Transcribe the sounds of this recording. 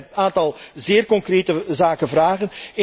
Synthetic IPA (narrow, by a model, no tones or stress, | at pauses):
aːntɑlˠzɪːrkɔŋkreːtəzaːkənvraːɣənɪ